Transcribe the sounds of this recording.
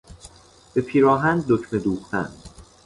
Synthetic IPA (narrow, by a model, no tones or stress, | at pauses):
b̥e̞pʰiːɾɒːɦænd̪ocme̞d̪uːχt̪ʰæ̰n